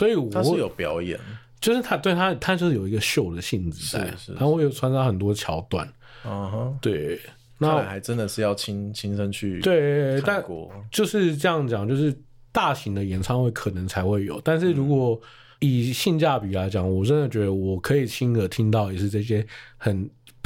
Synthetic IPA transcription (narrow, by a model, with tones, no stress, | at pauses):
swɔ˧˥i˨wɔ˨a˥˦˥jo˨˩ʊpjɑ˨˧˥ʊjɛ̰˨˩˦n | t͡ɕjo˥˧ʊʂɻ̩ʰ˥˩a˥t̪we˥˧ɪt̪ʰa˥t̪ʰa˥t͡ɕjʂɻ̩˥˩jo˨˩ʊi˧˥ɡə˧ɕjo˥˩ʊd̪ə˩ɕi˥˩nd͡zɹ̩̰ʰ˨˩˥a˥we˥˩jo˨˩ʈ͡ʂʰwa˧˥nʂɑ˥xə˨˩nt̪wɔ˥t͡ɕʰjɑ˧˥ʊt̪wa̰˥˩n˨˩ | ɦt̪we˥˩ɪ | na˥˨xa˧˥ɪʈ͡ʂə˦nd̪ə˨ʂɻ̩˥˧jɑ˥˩ʊt͡ɕʰi˥ŋt͡ɕʰi˥ŋʂə˦ŋt͡ɕʰy˥˩t̪we˥˧˩ɪa˧˥˨nkɔ̰˧˥t͡ɕjo˥˧ʊʂɻ̩˥˧ʈ͡ʂɤ˥˧jɑ˥˩ŋ˩t͡ɕjɑ˨˩ŋt͡ɕjo˥˧ʊʂɻ̩˥˧ | t̪a˥˩ɕi˧˥ŋd̪ə˨jɛ˨˩nt͡sʰɑ˥˧ŋxwe˥˩ɪkʰɤ˨˩nə˧˦ŋt͡sʰa˧˥ɪxwe˥˩ɪjo˨˩˦ʊt̪a˥˧nʂɻ̩˥˩ɻu˧˥kwɔ˨˩ | i˨˩ɕi˥˧nt͡ɕja˥˩pi˨˩la˧˥ɪt͡ɕjɑ˨˩ŋwɔ˨˩ʈ͡ʂə˦nd̪ə˨t͡ɕɥɛ˧˥d̪ə˧wɔ˨˩kʰɤ˧˥i˨˩t͡ɕʰi˥nə˨t̪ʰi˥ŋt̪ɑ˥˩ʊjɛ˨˩ʂɻ̩˥˧ʈ͡ʂɤ˥˧ɕ̬jɛ˥xə˨˩n